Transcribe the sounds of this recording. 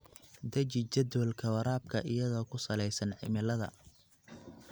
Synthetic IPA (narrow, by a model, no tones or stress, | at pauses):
d̪ɐt͡ʃɪt͡ʃɐd̪wɐlkʰɐwɐɾaːb̚kʰɐʔɪjɐðɔːkʰʊsɐlɛjsɐnʕɪ̰mɪlɐðɐ̰